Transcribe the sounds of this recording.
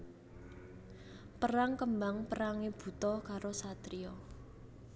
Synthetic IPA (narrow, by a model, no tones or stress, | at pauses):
pəɾaŋkəmbaŋpəɾaŋeb̥ṳt̪ɔkaɾosat̪ɾiɔ